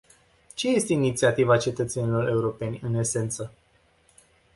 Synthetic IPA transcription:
t͡ʃe̞je̞st̪e̞init̪siat̪ivat͡ʃe̞t̪ət̪se̞nʲilo̞ɾe̞uɾo̞pe̞nʲɨne̞se̞nt̪sə

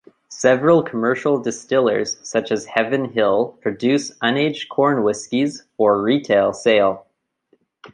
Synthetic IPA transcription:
sɛvɹl̩ˠkʰəmɜ˞ʃl̩ˠdɨstɪlˠə̰˞z̥sʌt͡ʃɨz̥hɛvɨ̃nɦɪlˠpʰɹ̥ɨdʉsʌ̃neɪd͡ʒkʰɔɹnwɪskiz̥fə˞ɹitʰeɪlˠseɪlˠ

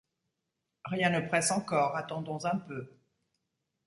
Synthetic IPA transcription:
ʁjɛ̃nəpχɛsɑ̃kɔːʁat̪ɑ̃d̪ɔ̃zɛ̃pø

